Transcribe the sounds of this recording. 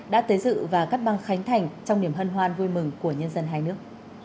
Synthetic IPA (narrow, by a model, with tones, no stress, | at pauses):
ɗa̰ː˧˥t̪əː˨˦jzɨ̰˧˨vaː˨˩ka˦˥t̚ɓa˧ŋxa˨˦jŋ̟t̪ʰa˨˩jŋ̟t͡ɕɔ˧wŋ͡mɗi˧˩əmɦə˧nɦwaː˧nvu˧jmɨ˨˩ŋku˧˩əɲə˧nzə˧nɦaː˧jnɨ˦˥ək̚